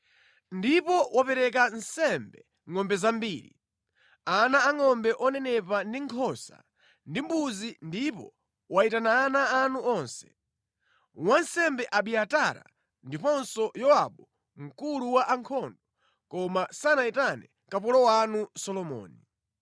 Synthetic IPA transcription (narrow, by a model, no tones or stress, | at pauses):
ndipɔwapɛɾɛk̬an̩sɛmbɛ | ŋɔmbɛzambiːɾḭ | anaːŋɔmbɛʔɔnɛnɛpandiŋkʰɔsa̰ | ndimbuzindipɔ | waitanaːnaːnuɔnsɛ̥ | wansɛmbɛʔaɓiataɾa̰ | ndipɔnsɔjɔa̰ɓɔ | ŋ̩kuluwaʔaŋkʰɔndɔ | kɔmasanaitanɛ | kapulɔwanusɔlɔmɔ̰ːni